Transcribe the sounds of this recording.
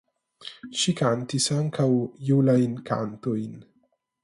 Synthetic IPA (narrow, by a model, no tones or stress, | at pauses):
ʃikaːnt̪isaːŋkʰɐwjiwlɐjnka̰ːnt̪ujn